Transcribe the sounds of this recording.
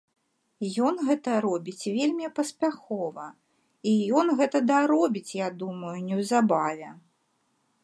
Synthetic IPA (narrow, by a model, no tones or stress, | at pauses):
jɔnɣɛt̪ɐɾɔbʲit͡sʲvʲelʲmʲipɐsʲpʲaxɔvɐ | ijɔnɣɛt̪ɐd̪ɐɾɔbʲit͡sʲjad̪umɐjunʲɛwzabavʲɛ